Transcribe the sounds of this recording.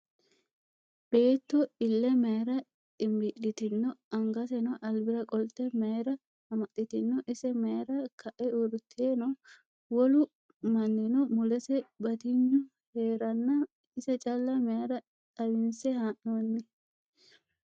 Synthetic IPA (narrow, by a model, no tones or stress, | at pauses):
b̥eːt̪ːɔɪlːɛmeːɾɐ | t̪ʼɪmbɪɗɪt̪ɪnːɔɐŋɡɐsɛnɔʔɐlbɪɾɐkʼɔlt̪ɛmeːɾɐ | ɐmɐtːɪt̪ɪnːɔʔɪsɛmeːɾɐkʰɐʔɛʊɾʊt̪ʰeːnɔ | wɔlʊ | mɐnd̪ɛnɔmʊlɛsɛbɐt̪ɪɲːʊ | heːɾɐnːɐ | ɪsɛt͡ʃʼɐlːɐmeɾɐ | t̪ʼɐbɪnsɛhaʔoːnːɪ